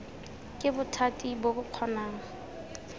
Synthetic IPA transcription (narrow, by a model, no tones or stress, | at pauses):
kʼɪbʊtʰatʼibobʊq͡χʰɔnaːŋ̩